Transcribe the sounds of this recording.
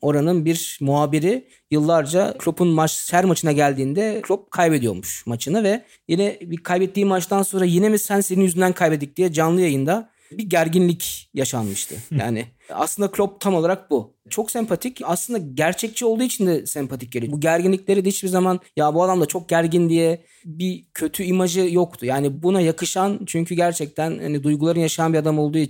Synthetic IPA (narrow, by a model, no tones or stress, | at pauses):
o̞ɾanɯnbiɾmuɦaːbiɾi | jɯlˠːaɾd͡ʒalʲo̞pʰunmat͡ʃsæɾmat͡ʃʰɯnaɟælʲd̪iːnd̪ɛkʰlʲop̚kʰajbe̞d̪ijoɾmuʃmat͡ʃʰɯnavɛ | jinɛbikʰajbɛt̪ːiːmat͡ʃt̪anso̞nɾajenɛmisænseinyzynd̪ænkʰajbed̪ic̚d̪̥ijɛd͡ʒanlˠɯjajɯnd̪a | biɟæɾɟinlʲicjaʃanmɯʃt̪ʰɯ̰ja̰ːnɪa̰slˠɯnd̪akʰlʲop̚t̪ʰamolˠaɾak̚bu | t͡ʃʰo̞ksɛmpʰat̪ʰicaslˠɯnd̪aɟæɾt͡ʃʰɛc̚t͡ʃʰio̞lˠd̪uːit͡ʃʰind̪ɛsɛmpʰat̪ʰic̚ɟelʲibuɟæɾɟinlʲicʲlʲe̞ɾid̪ɛhit͡ʃbizamanjabuad̪amd̪at͡ʃʰo̞k̚ɟæɾɟind̪ijɛ | bicʰø̞t̪ʰyimad͡ʒɯjo̞kt̪ʰujaːnibunajakʰɯʃant͡ʃʰyɲcʰyɟæɾt͡ʃʰɛc̚t̪ʰænha̰nid̪ujɡulˠaɾɯnjaʃajanbiad̪amo̞lˠd̪uː